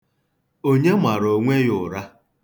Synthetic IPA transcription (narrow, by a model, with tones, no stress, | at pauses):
o˦ɲe˦ma˨ɾo˨ŋʷe˦jʊ˨ɾa˦